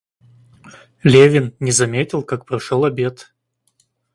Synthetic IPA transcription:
lʲevʲɪnnʲɪzɐmʲetʲɪlˠkak̚pɾɐʂolˠɐbʲe̞t̪

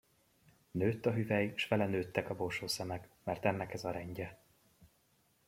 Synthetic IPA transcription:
nøːt̪ːɒɦyvɛjʃʋɛlɛnøːt̪ːɛkɒbo̞lʃoːsɛmɛkmɛrt̪ɛnːɛkɛzɒɾɛɲɟɛ

